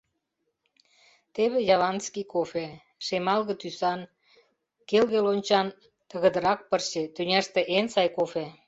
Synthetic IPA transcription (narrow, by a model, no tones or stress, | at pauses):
t̪eβĕjɑβɑnskikofe | ʃemɑlɣə̆t̪ysɑn | kelɣelonʲt͡ɕɑn | t̪ə̆ɣə̆d̪ə̆ɾɑk̚pərʃet̪ynʲæʃt̪ĕʔensɑjkofe